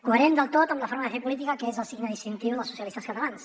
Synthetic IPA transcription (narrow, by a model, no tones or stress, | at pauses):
kuəɾɛnd̪əlˠt̪ot̪əmləfoɾməðəfepulit̪̬ikəkəezəlˠsiɡnəðinsint̪iwðəlˠsusiəlist̪əskət̪əlans